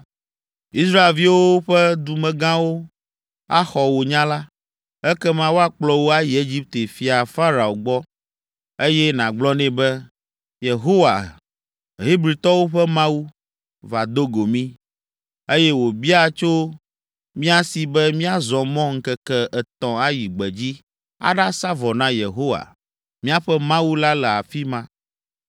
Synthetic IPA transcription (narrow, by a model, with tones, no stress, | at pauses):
i˦sɾa˦e˨lvi˦wo˦ɸɛ˦d̪u˨mɛ̃˨ɡã˦wo˦ | a˦xɔ˨wo˨ɲã˦la˦ | ɛ˦kɛ˦mã˦wo˦a˨k͡plɔ˦wo˦a˦ji˨e˦d͡ʑi˦p̚t̪e˨fi˨a˨fa˦ɾa˨o˨ɡ͡bɔ˦ | e˦jɛ˦nã˨ɡ͡blɔ˦nɛ̃˨bɛ˦ | je˨ɦo˦wa̰˨ | ɦi˦bɾi˨t̪ɔ˦wo˦ɸɛ˦mã˦wu˦ | va˨d̪o˦ɡo˨mĩ˦ | e˦jɛ˦wo˨bi˦a˦t͡ʃo˦ | mĩ˦a˦si˨bɛ˦mĩ˦a˦zɔ̃˨mɔ̃˦ŋ̩˦kɛ˦kɛ˦ɛ˨t̪ɔ̃˨a˦ji˨ɡ͡bɛ˨d͡ʑi˦ | a̰˦ɖa˦sa˦vɔ˨nã˦je˨ɦo˦wa̰˨ | mĩ˦a˦ɸɛ˦mã˦wu˦la˦lɛ˨a˨fi˦mã˦